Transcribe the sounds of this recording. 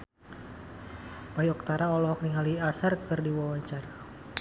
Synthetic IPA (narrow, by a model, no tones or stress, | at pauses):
bajɔk̚t̪aɾaɔlɔɔk̚niɦaliasarkɨrdiwawaɲt͡ʃaɾa